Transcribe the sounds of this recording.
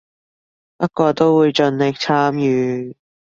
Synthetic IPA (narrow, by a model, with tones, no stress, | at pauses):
pɐ˥t̚kɔː˧t̪o˥wwuː˨˧jt͡ʃɵ˨˧nlɪ˨k̚t͡sʰaː˥mjyː˨˧